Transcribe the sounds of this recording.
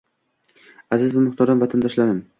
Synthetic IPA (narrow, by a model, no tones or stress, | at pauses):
azɪzbʊmʊχt̪ʰɒɾamvat̪ʰand̪ɒʃlaɾɪm